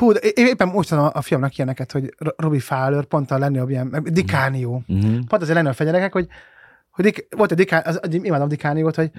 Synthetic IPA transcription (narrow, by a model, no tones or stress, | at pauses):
huːd̪ʔeːeːpːɛmmoʃt̪ud̪omɒʔɒfijɒmnɒkijɛnɛkɛt̪ho̞ɟrobifaːlørpo̞nt̪ɒlɛnøobijɛnmɛd̪ikaːnijoːpont̪zeːɾlɛneːfɛɟɛɾɛkɛkhoɟ | hoɟd̪ikʋolt̪ɛd̪ikaːnʔziiːmaːd̪omd̪ikaːnijoːt̪ho̞ɟ